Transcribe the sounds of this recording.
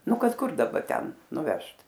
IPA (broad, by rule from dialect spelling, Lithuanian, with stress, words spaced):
ˈnʊ ˈkɐt ˈkʊr dɐˈbɐ ˈtʲɛn nʊˈʋʲɛʃt